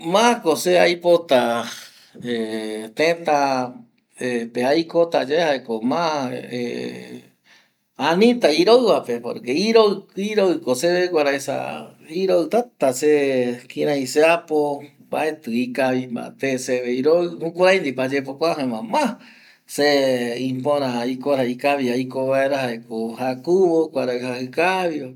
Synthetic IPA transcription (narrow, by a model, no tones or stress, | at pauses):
mãkoseajpot̪a | et̪ẽt̪a | epeajkot̪ad͡ʒaehaekomãḛ | anĩt̪aiɾoɨβapepo̰ɾkeiɾoiɾoɨkoseβekʷaɾaesa̰iɾoɨt̪at̪asekiɾãĩseapo | baet̪ɨikaβimã̰t̪eseβeiɾoɨhũkʷaɾajnd̪ipad͡ʒepokʷaɦẽmãmã | seĩpõɾãikoɾaikaβiaikoβaeɾahaekohakuβokʷaɾaɨhahɨkaβjo